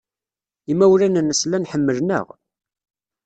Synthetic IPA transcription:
imæwɾænənːəslænħəmːəlnə̰ʁ

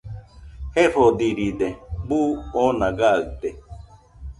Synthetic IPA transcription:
heɾod̪iɾid̪ebuonãɡaɯt̪e

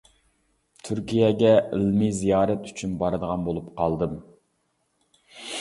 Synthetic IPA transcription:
t̪ʰyɾkʲijɛɡʲɛilmizijɑːɾɛt̪y̥t͡ʃʰynbɑɾɨd̪əʁɑnbolˠupqʰɑlˠd̪ɨm

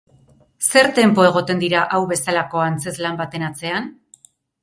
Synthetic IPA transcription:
se̞ɾt̪e̞mpo̞e̞ɣ̞o̞t̪e̞nd̪iɾaʔawβe̞salako̞ant͡se̞zlambat̪e̞nat͡se̞an

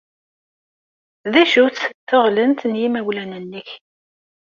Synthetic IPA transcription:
ðæʃut͡sθəʁlənt̪njimæwlænənːəç

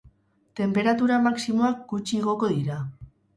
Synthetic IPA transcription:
t̪e̞mpe̞ɾat̪uɾamaksimo̞akɡut͡ʃiɣ̞o̞ko̞ðiɾa

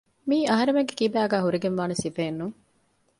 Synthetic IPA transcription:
miːɐɦɐɾemeŋɡekibæːɡæːɦuɾiɡenʋaːnesifeːnːuŋ

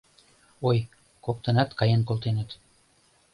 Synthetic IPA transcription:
oj | kok̚t̪ɤ̆nɑt̪kɑjenkolt̪enə̆t̪

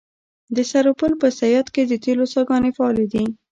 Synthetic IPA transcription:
d̪əsaɾopəlpəsajɑt̪ked̪ət̪elosɑɡɑnefaɑled̪i

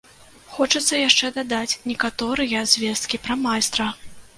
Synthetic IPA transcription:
xɔt͡ʂɐt̪sːɐjaʂt͡ʂɛd̪ad̪at͡sʲnʲɛkat̪ɔɾɨjɐzʲvʲɛst̪kʲipɾɐmajst̪ɾɐ

